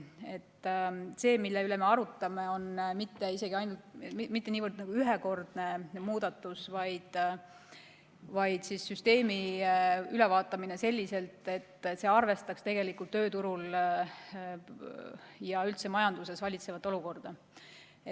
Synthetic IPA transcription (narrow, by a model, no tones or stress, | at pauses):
e̞t̪ːse̞ːmilːeylɛme̞ɑɾut̪ˑːɑme̞o̞nmit̪ːe̞ise̞ɡ̥iɑjnult̪mit̪ːe̞niːvərd̪nɑɡ̥uyɦeko̞rd̪̥ne̞muːd̪̥ɑt̪ːˑusvɑjd̪̥ | vɑjd̪̥sisːyst̪e̞ːmi | ylɛvɑːt̪ːˑɑminese̞lʲːise̞lt̪ˑe̞t̪ːse̞ːɑrve̞st̪ɑkst̪e̞ɡ̥e̞likːult̪ːø̞ːt̪uɾul | jɑylt̪se̞mɑjɑnd̪̥use̞svɑlʲit̪se̞vɑt̪ːˑo̞luko̞rd̪̥ɑ | e